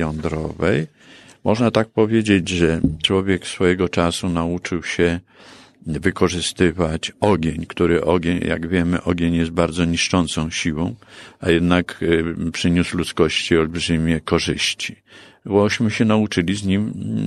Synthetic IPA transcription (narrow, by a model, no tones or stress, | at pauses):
jɔnd̪ɾɔ̰vɛ̰j | mɔʐnat̪ak̚pɔvʲjed͡ʑed͡ʑʐɛt͡ʂwɔvʲjɛksfɔjɛɡɔt͡ʂasunaut͡ʂɘwɕɛ | vɘkɔʐɘst̪ɘvat͡ɕɔɡʲeɲkt̪uɾɘʔɔɡʲeɲja̰ɡvʲjɛmɘ̰ʔɔɡʲjeɲjɛst̪̚baɾd̪zɔɲiʂt͡ʂɔnt̪sɔ̃w̃ɕiwɔ̰̃w̃ajɛd̪nakpʂɘɲuslut̪skɔɕt͡ɕiɔlbʐɘmʲjɛkɔʐɘɕt͡ɕi̥ | bɔɕmɘɕɛnaut͡ʂɘlʲizɲim